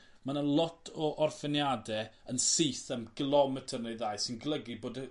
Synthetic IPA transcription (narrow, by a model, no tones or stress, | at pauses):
manalˠɔtʰɔʔɔrfɪnjadɛənsiːθəmɡ̥əlˠɔmɛtʰərnejðajsɪnɡlˠəɡiboːdə